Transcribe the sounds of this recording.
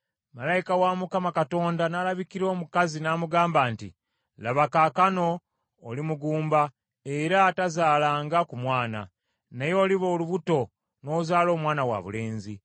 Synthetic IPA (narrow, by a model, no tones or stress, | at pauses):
malaikawamukamakato̞ːndanalaβikiɾo̞ːmukazinaːmuɡaːmbaːntḭ | laβakakano̞ː | limuɡuːmba | eɾatazaːlaːŋɡakumwaːna̰ | nejo̞ːliβo̞ːluβuto̞ | no̞ːzaːlo̞ːmwaːnawa̰βṵle̞ːnzi